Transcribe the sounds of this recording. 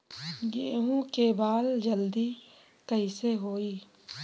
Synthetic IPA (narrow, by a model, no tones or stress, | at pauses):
ɡeːɦũkebaːld͡ʒəld̪i | kəɦiseɦoːiː